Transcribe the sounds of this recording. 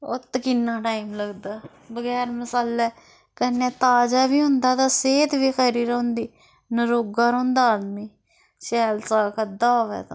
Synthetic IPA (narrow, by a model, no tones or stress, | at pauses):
o̰t̪kɪnːãːʈaːimləɡd̪aː | bəɡɛːɾməsaːlɛː | kənẽːt̪aːd͡ʒaːʋiːɦʊ̃nd̪aːt̪ãːseːt̪ʋiːxəɾiːɾõːnd̪iː | nəɾoːɡaːɾõːnd̪aːd̪miː | t͡ʃʃɛːlsaːkəd̪aːoːʋɛ̰ːt̪ã̰